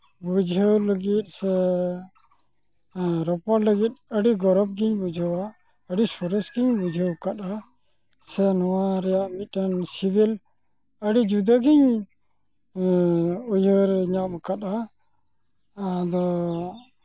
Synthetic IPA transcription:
bud͡ʒʱəwləɡit̪̚sɛ | ɾɔpɔɾləɡit̪̚əɽiɡɔɾɔb̚ɡiɲbud͡ʒʱəwa | əɽisɔɾɛsɡiɲbud͡ʒʱəwkaɗa | sɛnɔwaɾɛjaʔmitənsibil | əɽid͡ʒud̪aɡiɲ | ujəɾɲamkata | d̪ɔ

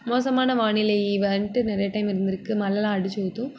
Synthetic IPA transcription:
moːsɐmaːnɐʋaːɳɪlɐiʋeɳʈɯnɪɾɐjɐʈɐɪmɪɾɯnd̪ɪɾɯkːɯmɐlːɐlãːɐɽɯt͡ʃːoːt̪ːũ

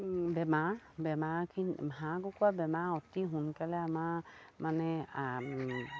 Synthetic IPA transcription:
bɛmabɛmakʰinmɦakɔkuabɛmaɔtiɦunkalɛamamanɛ

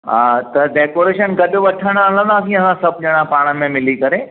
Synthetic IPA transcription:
ɦãːt̪ɐɖeːkoːɾeːʃənɡɐɗoʋɐʈʰəɽ̃aalə̃nd̪ãːsĩɐsãsɐb̚ʱʄɐɽ̃ãpaːɽ̃əmẽmɪlikɐɾeː

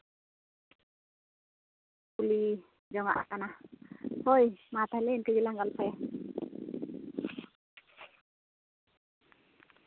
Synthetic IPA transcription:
kuli | d͡ʒama̰ʔa̰kanahojmat̪alenkəd͡ʒilaŋɡalpaja

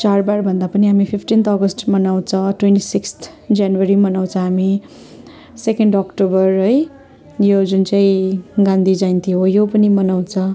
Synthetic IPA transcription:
t͡sarbarbʱʌnd̪apʌniɦamipʰipʰʈint̪ʰʌɡʌsʈmʌnaw̃t͡sʰʌ̃ʈwenʈisikst̪ʰ | d͡zjanwʌɾimʌnaw̃t͡sʰʌ̃ɦami | sekeɳɖʌkʈobʌrʌj | jod͡zunt͡saĩɡãnd̪id͡zajnt̪ʰiɦojopʌnimʌnaw̃t͡sʰʌ̃

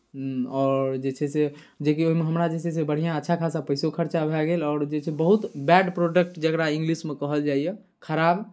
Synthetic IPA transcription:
ɔːɾd͡ʒet͡ʃʰɛse | d͡ʒekioɦimeɦəmɾad͡ʒet͡ʃʰɛsebəɽ̤ijãətːʃʰakʰasapəjsokʰəɾt͡ʃabʱɛɡelɔːɾd͡ʒet͡ʃʰɛbəɦut̪bɛɖpɾoɖək̚ʈd͡ʒəkɾaĩŋɡlismekəɦəld͡ʒaijɛ | kʰəɾab

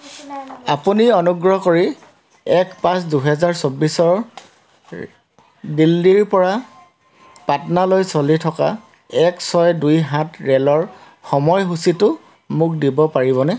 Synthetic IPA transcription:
apuniɔnuɡɹɔkoɹi | ɛkpãsduɦɛzaɹsobːisɔɹ | dilːiɹpɔɹa | patnalojsolitʰɔka̰ | ɛksɔjdujɦãtɹɛlɔɹ | xɔmɔjɦusitʊ | muk̚dibɔpaɹiβɔnɛ

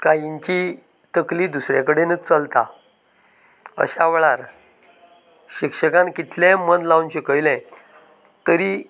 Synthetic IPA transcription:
kajiɲt͡ɕi | t̪əklid̪usɾjakəɽenət͡səlt̪a | ə̰ɕaʋɭaɾ | ɕikʂəkãnkit̪lɛmənd̪launɕəkəjlɛ̃ | t̪əɾi

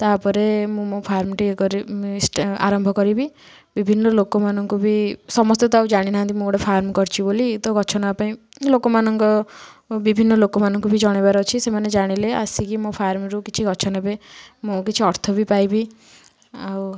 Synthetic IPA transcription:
t̪apɔɾemũmõpʰaɾmʈikɔɾisa̰ɾɔmbʱɔkɔɾibi | bibʱinːɔlokɔmanɔŋkubisɔmɔst̪et̪ɔaw̃d͡ʒaɽ̃inaɦant̪imõɔɽepʰaɾmkɔɾt͡ʃʰibolit̪ɔɡʱɔt͡ʃʰɔnaapaĩ | lokɔmanɔŋkɔ | bibʱinːɔlokɔmanɔŋkubid͡ʒɔɽ̃ebaɾɔt͡ʃʰisemaned͡ʒaɽ̃ilea̰sikimõpʰaɾmɾukit͡ʃʰiɡɔt͡ʃʰɔnabemõkit͡ʃʰiɔɾt̪ʰɔbipajbi | aw

